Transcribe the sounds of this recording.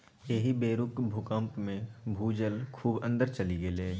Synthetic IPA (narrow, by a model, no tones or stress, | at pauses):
jeɦibeːɾʊkbʱʊkə̃mpmẽbʱuːd͡ʒəlkʰuːbə̃nd̪əɾt͡ʃɐliɡeleː